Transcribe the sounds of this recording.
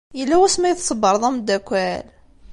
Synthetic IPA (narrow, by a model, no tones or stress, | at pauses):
jəlːæwæsmæjəθsˤəbəɾˤðˤæmd̪ækʷːæl